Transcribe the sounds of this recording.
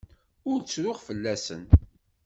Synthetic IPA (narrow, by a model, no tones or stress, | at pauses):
ʊɾt͡sːɾʊʁfəlːæsə̰n